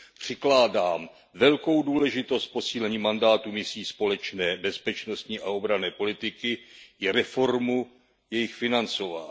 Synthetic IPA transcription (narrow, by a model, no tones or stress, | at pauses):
pr̝̥ɪklaːdaːm | vɛlko̞wduːlɛʒɪt̪ost̪̚po̞siːlɛɲiːmandaːt̪umɪsiːspo̞lɛt͡ʃnɛːbɛspɛt͡ʃno̞st̪ɲiːʔao̞bɾanɛːpo̞lɪt̪ɪkɪʔɪɾɛfo̞ɾmu | jɛjɪxfɪnant͡so̞va̰ː